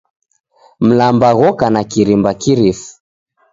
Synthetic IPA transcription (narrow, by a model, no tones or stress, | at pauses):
m̩lambaɣɔkanakiɾimbakiɾifu̥